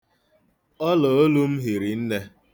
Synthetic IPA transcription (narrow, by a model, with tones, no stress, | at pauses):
ɔ˦lɔ˨o˦lu˦m̩˦ɦi˨ɾi˨n̩˦ne˦